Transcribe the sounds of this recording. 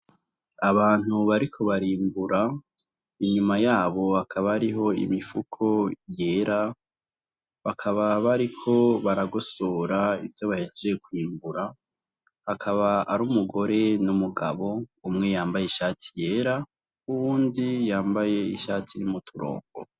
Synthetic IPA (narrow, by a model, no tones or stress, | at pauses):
aβaːn̥huβaɾikʰo̞βaɾiːmbuɾa | iɲumajaːβo̞hakʰaβaaɾiɦo̞ḭmifukʰo̞jeːɾa | βakʰaβaβaɾikʰo̞βaɾaɡosoːɾaivjo̞βaheːnd͡ʒejekwiːmbuɾa | hakʰaβaaɾuːmuɡo̞ɾe̞numuɡa̰βo̞umŋe̞jaːmbajeiʃaːtʰi̥je̞ːɾa | uβuːndijaːmbaje̞ḭʃaːtʰiɾimutʰuɾo̰ːŋɡo̰